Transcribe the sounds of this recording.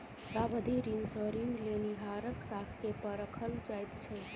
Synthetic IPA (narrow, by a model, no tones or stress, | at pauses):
sabəd̪ʱiɾiŋɡsə̃ɾiŋɡleniɦaɾəksakʰkepəɾəkʰəld͡ʒajt̪t͡ʃʰə